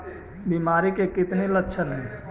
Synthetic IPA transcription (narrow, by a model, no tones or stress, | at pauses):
biːmaːɾikekɪt̪nelətːʃʰəlɦɛ̃